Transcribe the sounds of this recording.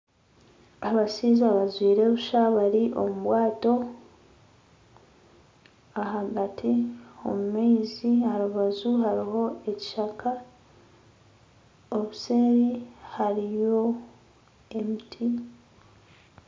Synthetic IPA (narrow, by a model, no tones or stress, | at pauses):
aβasiːzaβazwiːɾe̞βuʃaβaɾiʔo̞̰muβwaːto̞ | aɦaɡatʰio̞̰mumeːzihaɾuβazuhaɾiɦo̞e̞ci̥ʃakʰa | oβuseːɾihaɾijo̞ | emitʰi